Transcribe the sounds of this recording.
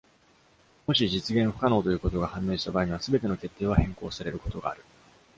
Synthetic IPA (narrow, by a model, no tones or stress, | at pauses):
mo̞ɕiʑit͡sɨɡẽ̞ɰ̃ɸɯ̟̥kano̞ːt̪ojɯ̟ːko̞t̪o̞ɡahãmːe̞ːɕi̥t̪abaiɲ̟iβasɨbe̞t̪e̞no̞ke̞t̪ːe̞ːβahẽ̞ŋko̞ːsaɾe̞ɾɯ̟ko̞̥t̪o̞ɡa̰ːɾɯ̟